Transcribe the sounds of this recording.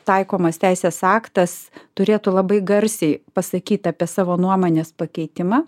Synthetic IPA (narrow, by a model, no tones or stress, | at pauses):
t̪ɐɪkoːmɐst̪ʲæɪsʲeːsɑːkt̪ɐst̪ʊɾʲeːt̪ʊlˠɐbɐɪɡɐɾʲsʲɛɪpɐsɐkʲiːt̪ʲɑːpʲiɛsɑːʋoːnuɔmoːnʲeːspɐkʲɛɪt̪ʲɪmɑː